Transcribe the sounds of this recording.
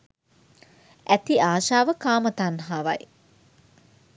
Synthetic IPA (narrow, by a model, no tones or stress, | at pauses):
æt̪iaːʃaːʋəkaːmət̪anɦaːʋa̰j